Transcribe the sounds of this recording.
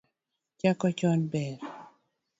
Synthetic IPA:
t͡ʃakɔt͡ʃɔnbɛɾ

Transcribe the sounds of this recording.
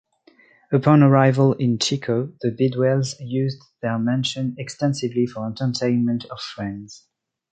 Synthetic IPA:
əpʰɑ̃nəɹaɪvəlɪ̃nt͡ʃʰikʰoʊðɨbɪdwɛlˠzjʉz | ðə˞mɛ̃nʃɨ̃nɛkstɛ̃nsɪvlifə˞ɛ̃ntʰə˞tʰẽɪ̃nmə̃ntʰʌv̥fɹɛ̃ndz̥

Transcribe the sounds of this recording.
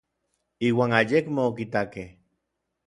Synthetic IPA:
iːwaːŋajekmeok̬it̪akeh

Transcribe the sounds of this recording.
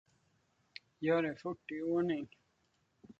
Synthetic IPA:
jaɾefuʈːiwonin

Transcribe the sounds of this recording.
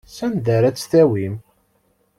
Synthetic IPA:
sænðæɾæt͡sːθæwim

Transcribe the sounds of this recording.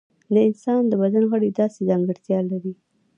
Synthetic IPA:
d̪əɪnsɑnd̪əbad̪anoɣaɽed̪ɑsezɑŋɡəɾt̪jɑlaɾi

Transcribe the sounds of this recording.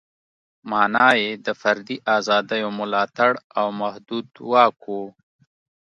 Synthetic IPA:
mɑːnɑːjed̪əfaɾd̪iʔɑzɑːd̪ajomʊlɑːt̪aɽawmahd̪ud̪wɑːkʰu

